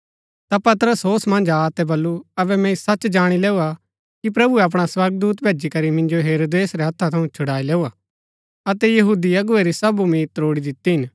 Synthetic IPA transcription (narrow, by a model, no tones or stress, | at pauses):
t̪apɐt̪ɾəsɦoːsmɐ̃nd͡ʒat̪ɛbɐlːuɐbɛmɛ̃isɐt͡ʃd͡ʒaːɽ̃ilɛːua | kip̬ɾɐbuɛɐp̬ɽ̃aswɐɾɡ̚d̪uːt̪bʱeːd͡ʒikɐɾimɪ̃nd͡ʒoɦeːɾoːd̪eːsɾɛɦɐt̪ʰːat̪ʰɐũt͡ʃʰʊɽaːilɛːuaː | ɐt̪ɛjɐɦuːd̪iɐɡʊeɾisɐbumiːt̪ɾoːɽid̪ɪt̪ːiɦɪn